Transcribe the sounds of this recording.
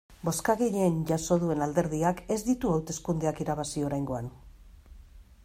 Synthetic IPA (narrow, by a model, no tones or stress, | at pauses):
bo̞skaɣeʎeːnʝaso̞ðue̞nald̪e̞ɾðiake̞zd̪it̪uawt̪e̞skund̪e̞akiɾaβ̞asio̞ɾajŋɡo̞an